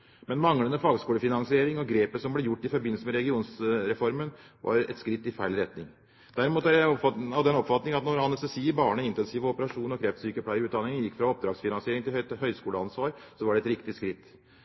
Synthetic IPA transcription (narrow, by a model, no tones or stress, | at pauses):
mɛnmɑŋlənəfɑːɡskuːəfɪnɑnsɪeːɾɪŋɔɡɾeːpəsɔmblɛjʊʈːɪfɔɾbɪnːəsəmɛɾɛɡɪuːnsɾɛfɔɾmən | ʋʔɑ̰ɾɛ̰t̪skɾɪt̪ːɪfæɪlɾɛt̪nɪŋ | d̪̥æɾɪmuːt̪æɔhɑd̪ɛnɔpfɑt̪nɪŋɑt̪nɔɾhɑnɛsəsiːəɾbɑːɳəɪnt̪ɛnsiːʋəɔpəɾɑʂuːnɔkʰɾɛft̪syːkəpʰlɑɪɪʉːd̪ɑnɪŋənjɪkːfɾɑɔp̚d̪ɾɑːɡsfɪnɑnsɪeːɾɪŋt̪ɪlhœʏskuːləɑnsʋɑːɾsɔʋɑɖɛt̪ɾɪkt̪ɪskɾɪt̪ː